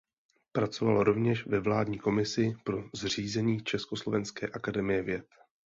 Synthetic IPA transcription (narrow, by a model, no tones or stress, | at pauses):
pɾat͡so̞valoɾo̞vɲɛʃvɛvlaːdɲiːko̞mɪsɪpɾo̞zr̝iːzɛɲiːt͡ʃɛsko̞slo̞vɛnskɛ̰ːʔakadɛmɪjɛvjɛt̪